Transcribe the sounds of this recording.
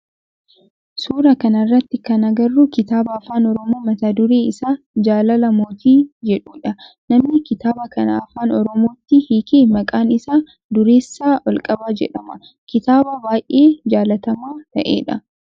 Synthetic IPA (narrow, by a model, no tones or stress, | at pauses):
suːɾɐkɐnɐrːɐt̪ːɪkɐnɐɡɐrːukɪt̪aːbɐːfaːnɔɾɔmo̞ːmɐt̪aːd̪ʊɾeːɪsaː | d͡ʒaːlɐlɐmoːt̪iːd͡ʒɛᶑuːᶑɐ | nɐmnɪkɪt̪aːbɐkɐnɐ̰ːfaːnɔɾɔmoːt̪ːɪhikeːmɐkʼaːnɪsaː | d̪ʊɾeːsːaːʔɔlkʼɐbaːd͡ʒɛ̰ᶑɐmɐ | kɪt̪aːbɐbaːjʔe̞ːd͡ʒaːlɐt̪ɐmaːt̪ɐ̰ʔḛːᶑɐ